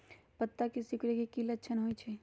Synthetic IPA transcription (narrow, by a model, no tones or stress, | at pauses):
pət̪ːakisɪkɾekekilətːʃʰənɦojt͡ʃʰɛ